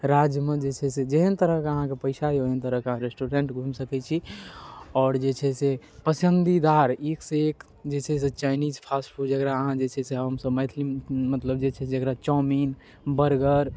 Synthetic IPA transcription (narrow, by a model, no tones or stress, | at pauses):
ɾad͡ʒjəmed͡ʒet͡ʃʰɛsed͡ʒeɦənt̪əɾəɦkeəɦãkepəɪsaɦeoɦənt̪əɾəɦkeɦãɾesʈuɾeɳʈɡʱũmsəkɛt͡ʃʰi | ɔːɾd͡ʒet͡ʃʰɛse | pəsənd̪id̪aɾekseek | d͡ʒet͡ʃʰɛs̬et͡ʃajnid͡ʒpʰasʈpʰuʈd͡ʒəkɾaəɦãd͡ʒet͡ʃʰɛseɦəmsəbməɪt̪ʰlimət̪ləbd͡ʒet͡ʃʰɛd͡ʒəkɾat͡ʃɔmin | bəɾɡəɾ